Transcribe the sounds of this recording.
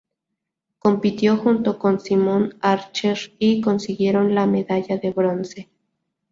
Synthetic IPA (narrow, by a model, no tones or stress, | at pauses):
kompit̪joxunt̪okonsimonaɾt͡ʃeɾikonsiɣjeɾonlameðaʎaðeβɾonse